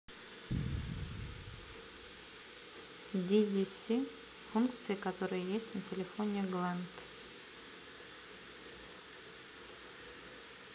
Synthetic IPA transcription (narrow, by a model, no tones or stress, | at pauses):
d̪ʲidʲisʲi | funkt̪sɨjəkɐt̪oɾəjəjesʲtʲnətʲɪlʲɪfonʲɪɡlˠant̪